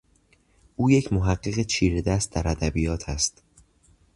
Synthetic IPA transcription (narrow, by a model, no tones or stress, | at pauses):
ʔuːje̞cʰmoɦæɢːeɣet͡ʃʰiːɾed̪æst̪̚d̪æɾæd̪æbijɒːt̪ʰæst̪